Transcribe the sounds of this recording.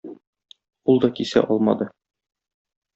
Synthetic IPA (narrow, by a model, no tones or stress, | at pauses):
ulˠd̪ɒkisæ̰ʔɒlˠmɑd̪ɤ